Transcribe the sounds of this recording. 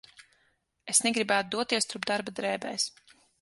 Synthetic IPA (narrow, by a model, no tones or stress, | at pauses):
esnɛɡɾibæːt̪ud̪uɔt̪iɛst̪uɾpd̪aɾbad̪ɾɛːbɛ̰js